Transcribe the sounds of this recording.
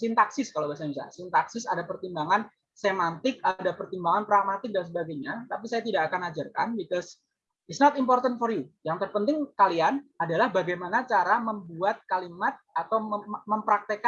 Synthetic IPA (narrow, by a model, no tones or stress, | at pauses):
sɪnt̪aksɪskalawbas̬abisa̰sɪnt̪aksɪsadapərt̪imbaŋan | semant̪ɪk̚adapərt̪imbaŋanpɾamat̪ɪk̚dansəbaɡajɲat̪apisajat̪idaːkanad͡ʒarka̰nbikɔs | ɪsnɔt̪impɔrt̪ənfɔrjujaŋt̪ərpənt̪ɪŋkalianadalahbaɡajmanat͡ʃaɾaməmbuat̪̚kalimat̪̚at̪awməmpɾak̚t̪eka